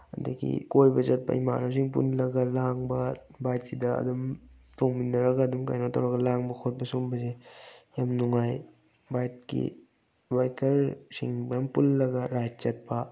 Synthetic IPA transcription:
ɐdɐɡḭkojbɐt͡ʃɐt̚pɐ̰ima̰ɾɐs̬iŋpṵnlɐɡɐlaŋbɐbajt̚sidɐɐ̰dum | toŋbinɐɾɐɡaːdumka̰jnotʰawɾɐɡɐlaŋbɐkʰot̚bɐsoŋbɐsejamnuŋaj | bajt̚kḭ | bajkɐɾsḭŋbɐjmpunlɐɡɐɾajt̚t͡ʃɐt̚pɐ

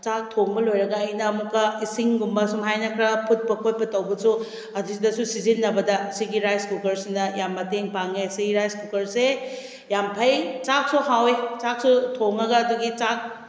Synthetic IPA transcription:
t͡ʃak̚tʰoŋbɐlojɾɐɡɐːjnɐːmukːɐisiŋɡumbɐsumɦajnɐkʰɾɐpʰut̚pɐkʰot̚pɐtɐwbɐsu | ɐdusidɐsusizinːɐbɐdɐsiɡiɾajskukɐɾsinɐjamːɐteŋpaŋesiɡiɾajskukɐɾse | jampʰɐjt͡ʃak̚soɦawet͡ʃak̚sutʰoŋɐɡɐːduɡit͡ʃak̚

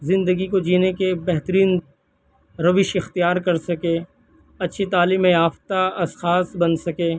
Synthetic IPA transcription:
zɪ̃nd̪əɡikod͡ʒiːnekebɛɦt̪əɾiːn | ɾɐʋɪʃɪxt̪ijaːɾkɐɾsɐke | ɐtːʃʰit̪aːliːmẽjaːft̪aɐsxaːsbɐnsɐkẽː

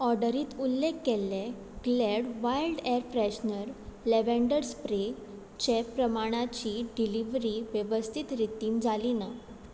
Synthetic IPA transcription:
ɔɾɖəɾiːt̪ulːekːelːɛ̃ | ɡleɽʋajlɖɛɾpɾɛɕnəɾleʋɛ̃ɳɖəɾspɾe | t͡ɕɛpːɾəmaɽ̃at͡ɕiːɖiliʋɾiːʋjəʋəst̪ʰit̪ɾit̪ːiːnd͡zʱalina

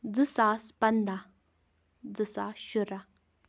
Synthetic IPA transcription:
d͡zəsaspand̪a | d͡zəsaɕuɾa

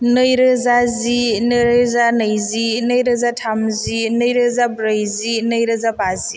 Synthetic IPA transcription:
nɯjɾɯzazinɯjɾɯzanɯjzinɯjɾɯzatʰamzinɯjɾɯzabɾɯjzinɯjɾɯzabazi

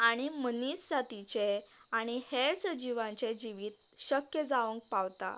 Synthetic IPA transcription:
aɽ̃imənisːat̪it͡ɕeaɽ̃iheɾsəd͡ʑiʋãɲt͡ɕed͡ʑiʋiːt̪̚ | ɕəkjəd͡zaʋəŋk̚pawt̪a̰

